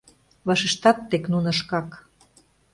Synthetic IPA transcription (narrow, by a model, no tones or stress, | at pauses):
βɑʃeʃt̪ɑt̪ːeknunəʃkɑk